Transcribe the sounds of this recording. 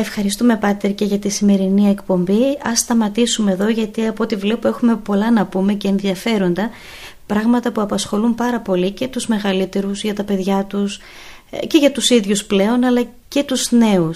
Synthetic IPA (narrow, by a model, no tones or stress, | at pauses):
efxɐɾist̪ume̞pɐt̪eɾce̞ʝɐt̪isime̞ɾinie̞kpo̞mbiɐsːt̪ɐmɐt̪isume̞ðo̞ʝɐt̪iɐpot̪ivle̞pue̞xume̞po̞lɐnɐpume̞ce̞ːnðiɐfe̞ɾo̞nd̪ɐ | pɾɐɣmɐt̪ɐpuɐpɐsxo̞lumpɐɾɐpo̞lice̞t̪uzme̞ɣɐlit̪e̞ɾuzʝɐt̪ɐpe̞ðʝɐt̪us | ce̞ʝɐt̪usiðʝusple̞o̞nɐlɐ | ce̞t̪uzne̞us